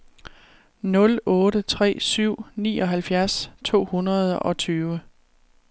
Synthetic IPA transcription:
nɔ̽lɔ̽ːɾət͡sʰʁɛ̰ːsyʊ̰nḭːɒ̽ɦælfjæɐst͡sʰo̝̰ːhunʁɐð̞ˠɒ̽t͡sʰyːʋə

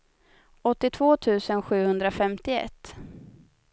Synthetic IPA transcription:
ɔt̪ːɪt̪ʰvoːt̪ʰʉ̟ːsənɧʉ̟ːhɵnd̪ɾafɛmt̪ɪɛ̰t̪ː

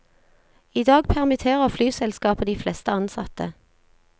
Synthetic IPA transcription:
iːd̪ɑːɡpʰæʁmɪt̪ʰeːʁəflyːsɛlskɑːpəd̪iːflɛst̪əɑnsɑ̰t̪ə

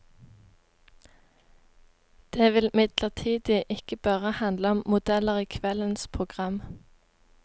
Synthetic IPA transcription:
d̪̥eːʋɪlmɪd̪ləʁt̪ʰiːd̪ɪʔɪkəb̥ɑːʁəhɑnd̪ləɔmmʊd̪ɛləʁiːkʰʋɛlənspʰʁʊɡʁɑm

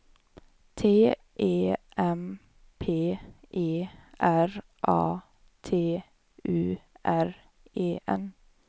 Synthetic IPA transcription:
t̪ʰeː | ʔeːʔɛm | pʰeːʔeːʔæɾ | ʔɑː | t̪ʰeː | ʉːʔæɹ | ʔeːʔɛ̰n

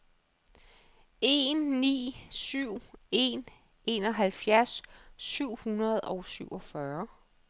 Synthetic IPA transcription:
e̝nːḭːsyʊ̰e̝̰n | e̝nɒ̽ɦælfjæɐsːyʊ̰hunɐð̞ˠɒʊsyʊ̰ɒ̽fɶɐ

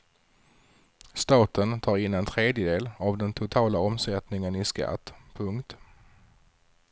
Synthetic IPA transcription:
st̪ɑːt̪ənt̪ʰɑːɾɪnːɛnt̪ʰɾeːd̪jəd̪eːlavd̪ɛnt̪ʰʊt̪ʰɑːlaɔmsɛt̪nɪŋənɪska̰t̪ːpʰɵŋkt̪

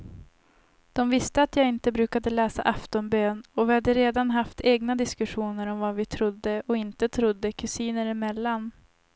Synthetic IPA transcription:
d̪̥ɔmvɪst̪əat̪jaːɪnt̪əbɾʉ̟ːkad̪əlɛːsa̰ʔaft̪ɔnbøːnɔvɪhad̪ːəɾeːd̪anɦaft̪ʰeːɡnad̪ɪskɵɧuːnəɾɔmvavɪt̪ʰɾʊd̪ːəʔɔɪnt̪ət̪ʰɾʊd̪ːəkʰɵsiːnəɾæmɛlːan

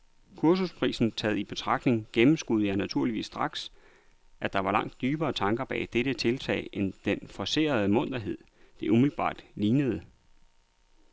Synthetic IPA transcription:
kʰuɐs̬uspʰʁḭːsn̩t͡sʰɛːð̩ˠib̥e̝t͡sʰʁɑ̈ɡ̥d̥ne̝ŋɡ̥emm̩sɡ̥uð̞̩ˠəjɑɪnæt͡sʰuɐ̰liʋḭːsːd̥ʁɑ̈ɡ̥s | ʔæd̥ɑ̈ʋɑ̈lɑ̈ŋ̰d̥ːyːb̥ɐːt͡sʰɑ̈ŋɡ̥ɐb̥ɛ̰ːd̥eɾ̥ət͡sʰe̝lt͡sʰɛ̰ɪʔend̥enfɒ̽se̝̰ːɐð̞̩ˠəmɔ̽n̰d̥ɐɦe̝ð̞̰ˠ | d̥e̝umilb̥ɑ̰̈ːd̥liːnəð̞ˠə

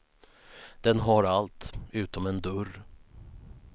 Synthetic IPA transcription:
d̪̥ɛnɦaɾalt̪ʉ̟ːt̪ɔmɛnd̪ɵr

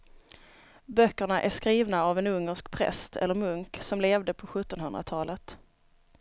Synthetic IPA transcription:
bœkːəɳaʔæʂkɾiːvnaavɛnɵŋːəʂkpʰɾɛ̰st̪ʰɛ̰lːəɾmɵŋksɔmleːvd̪əpʰɔɧɵt̪ːɔnɦɵnd̪ɾa̰t̪ʰɑːlət̪

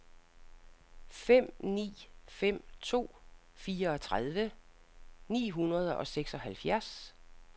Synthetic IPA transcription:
fem̰nḭːfem̰t͡sʰo̝̰ː | fiːɐɒ̽t͡sʰʁaðˠʋə | nḭːɦunɐð̞ˠʔɒ̽seɡ̥sɒ̽ɦælfjæɐs

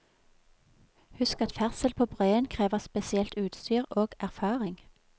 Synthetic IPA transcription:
hʉskɑt̪fæʁsəlpʰoːbʁœʏənkʰʁeːʋəʁspɛsɪɛlt̪ʉːt̪st̪yːʁoːɡ̥æʁfɑːʁɪŋ

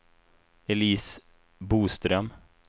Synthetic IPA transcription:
ɛliːs | buːst̪ɾœm

